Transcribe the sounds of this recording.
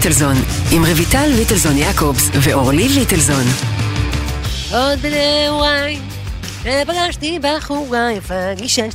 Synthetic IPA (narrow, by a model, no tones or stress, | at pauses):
telzonimʁevitalvitelzonjakʰopsveʔoʁlivit̪elzon | od̪ewaj | ebaɡaʃt̪ibaχuɡajfaɡiʃɛ